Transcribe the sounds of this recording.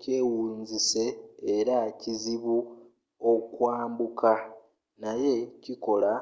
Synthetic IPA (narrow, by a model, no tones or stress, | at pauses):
ce̞ːwuːnzise̞ːɾaciziβu | okwaːmbukʰa | naje̞ciko̞la